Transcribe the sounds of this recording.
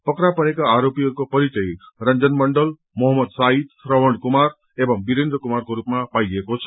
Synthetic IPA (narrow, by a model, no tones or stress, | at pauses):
pʌkɾapʌnekaaɾopiʌɾkopʌɾit͡ʃʌjɾʌnd͡zʌnmʌɳɖʌl | mɔɦʌmːʌd̪said̪ɾʌwəɳkumaɾ | ebʌŋbiɾend̪ɾʌkumaɾkoɾupmapaiekot͡sʰʌ